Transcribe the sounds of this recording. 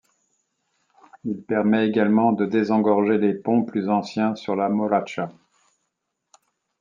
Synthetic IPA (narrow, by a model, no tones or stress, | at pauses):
ilpɛʁmɛeɡalmɑ̃d̪əd̪ezɑ̃ɡɔʁʒelepɔ̃plyzɑ̃sjɛ̃syʁlamɔʁat͡ʃa